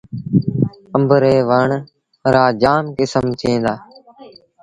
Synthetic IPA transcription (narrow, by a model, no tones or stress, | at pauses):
əmbʱɾeːʋəɳ | ɾaːd͡ʒaːmkɪsəmt̪ʰẽːnd̪aː